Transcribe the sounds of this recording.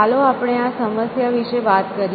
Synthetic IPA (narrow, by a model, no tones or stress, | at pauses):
aloapɽ̃easəməsjaʋiʃeʋat̪kəɾ